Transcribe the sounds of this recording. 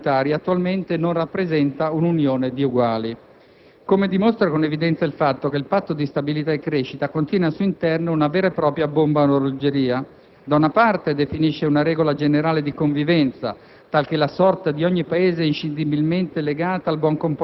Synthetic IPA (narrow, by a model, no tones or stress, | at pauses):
t̪aːɾjat̪ːualment̪enonrapːɾezɛnt̪aununjoːned̪iuɡwaːli | komed̪imost̪ɾakonevid̪ɛnt̪sailfat̪ːok̟eilpat̪ːod̪ist̪abilit̪aekːɾeʃːit̪akont̪jɛːnasuːint̪ɛrnounaveːɾaepɾɔːpɾjabombanoɾod͡ʒeɾiːa | d̪aunapart̪ed̪efiniʃːeunaɾɛːɡolad͡ʒeneɾaːled̪ikoɱvivɛnt̪sa̰ | t̪alk̟elasɔrt̪ad̪iɔɲːipaeːzeint͡ʃind̪ibilment̪eleɡaːt̪aːlbwɔŋkomp